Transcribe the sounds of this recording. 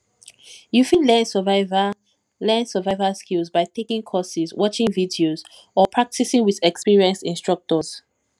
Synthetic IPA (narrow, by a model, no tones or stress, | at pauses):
jufĩlɛ̃nsəvav | lɛ̃nsəvaɪvəskilzbaɪtʰekĩŋkʰɔsizwɔt͡ʃɪ̃ŋvidioz | ɔpʰɹ̥ak̚tisɪ̃ŋwiðɛkspiɹiə̃nsĩnstɹ̥ʌk̚tɔz̥